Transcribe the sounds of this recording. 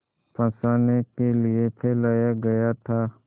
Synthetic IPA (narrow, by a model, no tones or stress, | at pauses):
pʰə̃saːnekelietʰɛːlaːjaɡɐjat̪ʰaː